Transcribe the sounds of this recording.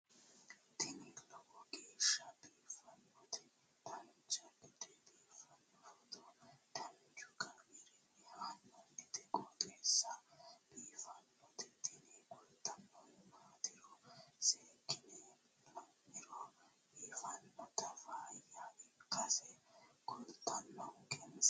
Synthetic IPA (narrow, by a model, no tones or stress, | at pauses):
t̪ɪnilɐwɔɡeːʃːɐbiːfɐnːɔt̪ɛ | t̪ɐnt͡ʃɐd̪ɪd̪ɛbiːfɐnːɔfɔt̪ɔd̪̥ɐnt͡ʃʊkʼɐmɪɾɪnːɛhanːɔd̪ɪd̪ɛkʼɔt̪ʼeːsːɐb̥iːfɐnːɔt̪ɪt̪ɪnɛkʼʊlt̪ʼːɐnːɔnmaːt̪ɪɾɔseːkʼːɪne | ɐnɪɾɔ | biːfɐnːɔt̪ɐfaːjaʔɪkːɐsɛkʊlt̪ʰʼːɐnːɐwkʼɛns